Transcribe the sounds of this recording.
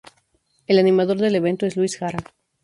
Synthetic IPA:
elanĩmaðo̞ɾðe̞le̞β̞e̞nt̪oe̞zluisxaɾa

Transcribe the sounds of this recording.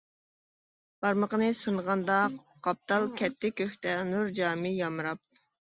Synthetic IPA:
b̥ɑɾməqənɨsunʁɑnd̪ɑ | qːɑp̚t̪ʰɑlˠkʲʰɛt̪ʰːɪkʲøht̪ɛnuɾd͡ʒɑːmɨjɑmɨɾɑp̚

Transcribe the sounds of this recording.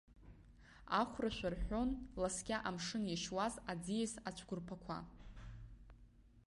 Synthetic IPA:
aχʷraʃʷᶣarħʷᶣo̞nlasɡʲaʔamʂɨniʃwazad͡zijesat͡ɕʷʰɡʷʊrpʰakʷʰa̰

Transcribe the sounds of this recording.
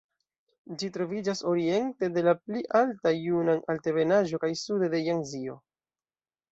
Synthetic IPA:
d͡ʒitɾo̞vid͡ʒaso̞ɾie̞nte̞de̞lapliʔaltajunanalte̞ve̞naʒo̞kajsudede̞jaŋzio̞

